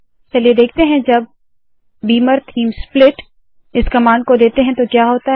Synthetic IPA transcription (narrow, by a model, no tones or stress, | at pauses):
t͡ʃɐlied̪eːk̚ʰt̪eɦɛ̃d͡ʒɐb̚ː | iːməɾt̪ʰiːmsplɪʈ | ɪskɐmaːnkod̪eːt̪eɦɛ̃t̪okjaːɦoːt̪a